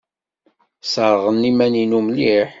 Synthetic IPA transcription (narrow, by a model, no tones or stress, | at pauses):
səɾˤʁənːimæninumliħ